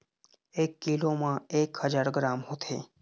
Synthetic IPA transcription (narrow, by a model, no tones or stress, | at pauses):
eːkːilomãeːkhəd͡ʒaɾɡɾaːmɦot̪ʰeː